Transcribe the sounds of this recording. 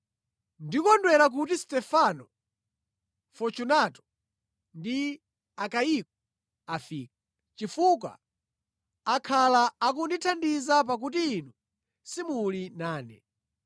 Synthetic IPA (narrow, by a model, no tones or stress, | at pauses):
ndikɔndwɛɾak̬utistɛfanɔ | fɔt͡ʃunatɔ̥ | ndi | akaik̚ɔ | afiːk̚a | t͡ʃifuk̬wa̰ | kʰalaːkunditʰandizap̬ak̬utiːnu | simulinaːnɛ̰